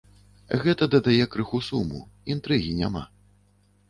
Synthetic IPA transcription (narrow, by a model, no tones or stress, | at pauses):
ɣɛt̪ɐd̪ɐd̪ajɛkɾɨxusumṵint̪ɾɨɣʲinʲa̰ma̰